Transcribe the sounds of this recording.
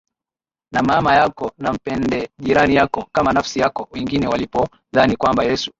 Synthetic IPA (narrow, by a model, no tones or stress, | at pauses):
namaːmajakɔnam̩pɛndɛʄiɾanijakɔkamanafsijakɔwɛŋɡinɛwalipɔ | ðanikwambajɛsu̥